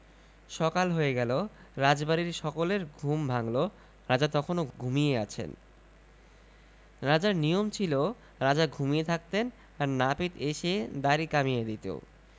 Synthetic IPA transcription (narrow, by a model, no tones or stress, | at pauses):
ʃɔkalɦoeɡɛlo | ɾad͡ʑbaɾiɾʃɔkoleɾɡʱumbʱaŋlo | ɾad͡ʑat̪ɔkʰonoɡʱumieat͡ɕʰḛn | ɾad͡ʑaɾnijomt͡ɕʰilo | ɾad͡ʑaɡʱumiet̪ʰak̚t̪en | aɾnapit̪eʃied̪aɾikamijed̪it̪ḛ